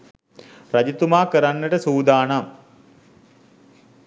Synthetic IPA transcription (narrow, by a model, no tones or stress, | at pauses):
rad͡ʑit̪umaːkəɾanːəʈəsuːd̪aːnam